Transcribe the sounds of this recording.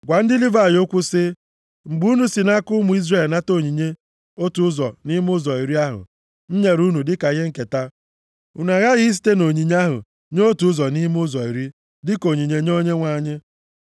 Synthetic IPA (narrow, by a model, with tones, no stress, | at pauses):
ɡʷa˨n̩˦dɪ˦li˦va˨jo˦kʷʊ˦sɪ˦ | ŋ͡m̩˨ɡ͡bu˦nu˦si˨na˦kʊ˦mʊ˨i˦zre˨lna˦to˦˨ɲi˨ɲe˦ | o˦tu˨˦zɔ˨ni˦m˦ʊ˦zɔ˨i˨ɾi˦a˦ɦʊ̰˨ | n̩˦ɲe˨ɾu˦nu˨dɪ˦ka˨ɣe˦ŋ̩˦ke˨ta˦ | ṵ˨na˨ɣa˦ɣɪ˦s̬i̥˦te˦no˨ɲi˨ɲ˦a˦ɦʊ̰˨ | ɲ˦o˦tu˨˦zɔ˨ni˦m˦ʊ˦zɔ˨i˨ɾi˦ | dɪ˦ko˨ɲi˨ɲe˨ɲo˦ɲe˦ŋʷa˦˨ɲɪ˦